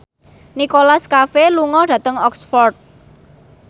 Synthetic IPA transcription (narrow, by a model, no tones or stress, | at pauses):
nikolaskafeluŋɔɖ̥ä̤t̪əŋɔksfɔrt̪̚